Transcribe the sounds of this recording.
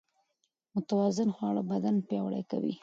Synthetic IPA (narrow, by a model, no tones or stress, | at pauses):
mʊt̪awɑzɪnxwɑɽabad̪anpjɑwɽa̰jka̰wḭ